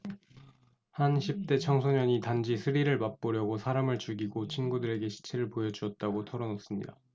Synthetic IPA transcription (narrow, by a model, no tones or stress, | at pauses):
hanɕʰip̚t͈e̞t͡ɕʰʌŋsʰoɲʌɲitand͡ʑisʰɯɾiɾɯɭmap͈oɾjʌɡosʰaɾamɯɭt͡ɕuɡiɡot͡ɕʰinɡudɯɾe̞ɡe̞ɕʰi̥t͡ɕʰeɾɯɭpojʌd͡ʑuʌt̚t͈aɡotʰʌɾʌnʌs͈ɯmɲḭda